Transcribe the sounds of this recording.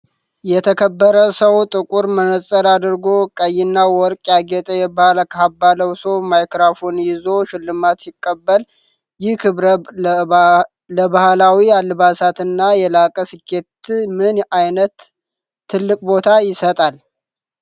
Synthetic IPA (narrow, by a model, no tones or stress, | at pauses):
jɛt̪ʰəkʰəbːəɾəsəwt̪ʼɨkʼuɾmənəsʼəɾad̪ɨɾɡo̞kʼəjːɪnːawɔɾkʼjaɡɛt̪ʼəjɛbahlkʰabːaləwsomajkɾafonjɪzo̞ʃɪlːɨmat̪jɪkʼːəbːəl | jɪhkʰɨβɾə | ləbahlawialːɨβasat̪ɨnːajɛlakʼəsɨkːet̪mɨnajnət̪ʰː | ɨlːɨkʼbo̞t̪ʰajɪsət̪ʼal